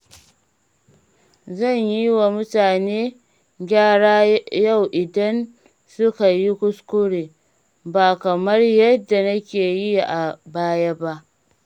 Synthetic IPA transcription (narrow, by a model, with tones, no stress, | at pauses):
zɐ˦˨ɲji˦wa˨mʊ˦taː˨neː˦ | ɡʲaː˦˨ɽaː˦ja˦˨wʔɪ˨dɐ˦n | sʊ˦ka˨ji˦kʷʊ˦skʊ˦ɽeː˨ | ba˨kɐ˨mɐ˦rjɐ˦dːa˨nɐ˦kʲeː˨ji˦jʔa˨baː˦ja˦ba˦ʔ